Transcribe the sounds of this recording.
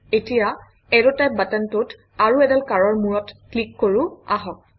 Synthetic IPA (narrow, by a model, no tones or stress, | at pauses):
etija | ɛɹɔtaj̚batantut | aɹuɛdalkaɹɔɹmuɹɔtklikːoɹua̰ɦɔk̚